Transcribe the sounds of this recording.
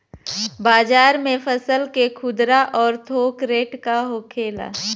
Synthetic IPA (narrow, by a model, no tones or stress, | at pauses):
baːd͡ʒaːɾmẽpʰəsəlkekʰʊd̪ɾaʔɔːɾt̪ʰoːkɾeːʈkaɦoːkʰeːla̰ː